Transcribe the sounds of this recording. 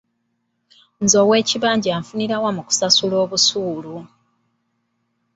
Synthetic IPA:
nzo̞ːwe̞ːciβaːɲɟiaːɱfuniɾawamuku̥sasulo̞ːβusuːlu

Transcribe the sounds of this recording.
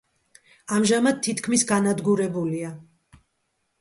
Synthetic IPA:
amʒamad̪̚t̪ʰːit̪ʰkʰmisɡanad̪ɡuɾɛbulia

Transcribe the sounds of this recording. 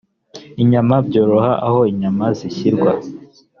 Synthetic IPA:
iɲamabɟo̞ːɾo̞haʔaho̞iɲamaziɕiɾɡwa

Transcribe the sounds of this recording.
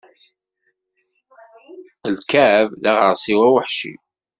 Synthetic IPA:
əlkævðaʁəɾsiwæwəħʃḭ

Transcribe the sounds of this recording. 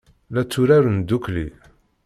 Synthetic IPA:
læt͡sːuɾæɾənd̪uklḭ

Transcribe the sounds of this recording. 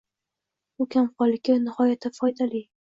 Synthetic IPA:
ʊkʲʰamqɒlˠɪkʲːɪnɪhɒjat̪ʰafɒjd̪ali

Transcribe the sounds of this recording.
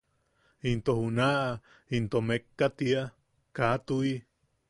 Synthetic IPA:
int̪ohunaʔ | int̪omekːat̪ia | kat̪ui

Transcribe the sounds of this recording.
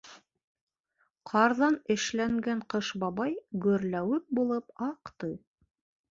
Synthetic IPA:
qʰɑɾðɑnɘ̆ʃlæŋɡæɴqɤʃbɑβɑjɡɵ̆ɾlæwɘp̚bulˠɤpɑqt̪ɤj

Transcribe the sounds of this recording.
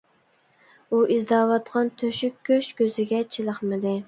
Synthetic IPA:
uʔizd̪ɑːwɑt̪qʰɑnt̪ʰøʃykʲʰːøʃkʲøzɪɡʲɛt͡ʃʰilˠəχmɨd̪ɪ

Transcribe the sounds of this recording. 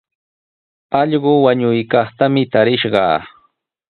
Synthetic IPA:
ɑʎɢʊwaɲʊjkɑχt̪amɪt̪aɾɪʃɢɑ̰ː

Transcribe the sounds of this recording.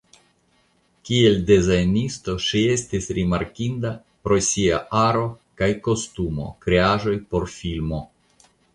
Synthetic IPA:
kie̞ldezajnisto̞ʃie̞stisɾimaɾkinda | pɾo̞sia̰aɾo̞kajko̞stumo̞̰kɾe̞aʒo̞jpo̞ɾfilmo̞

